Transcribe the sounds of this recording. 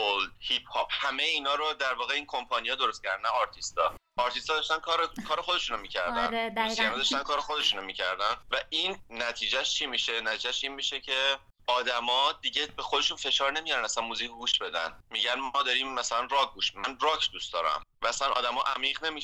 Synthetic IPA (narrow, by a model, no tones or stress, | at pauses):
old̪hip̚ʰhɒːp̚hæmejeiːnɒːɾod̪æɾvɒːɣeiːnkʰo̞mpʰɒnijɒːd̪o̞ɾost̪̚cʰæɾd̪ænæɒɾt̪ʰist̪ɒ̰ː | ɒːɾt̪ʰist̪ɒːd̪ɒʃt̪ænkʰɒɾekʰɒːɾexo̞d̪e̞ʃunomiːcʰæɾæ̰nsiænɔd̪ɒʃt̪ænkʰɒːɾexo̞d̪eʃunomicʰæɾd̪ænvæʔinːæt̪ʰiːd͡ʒæʃt͡ʃʰimiːʃenæt̪ʰiːd͡ʒæʃinmiʃecʰe | ɒːd̪æmɒd̪iɟe̞bexod̪eʃunfe̞ʃɒːɾne̞mijɒɾænæsænmuzicʰɡuːʃb̥e̞d̪æ̰nmiɟænmɒːd̪ɒɾiːmːæsælænrɒɡ̚ɡuʃmænrɒːkʰd̪ustd̪̥ɒːɾæ̰mvææsænʔɒ̰ːd̪æmɒ̰ʔæ̰miːʁne̞mi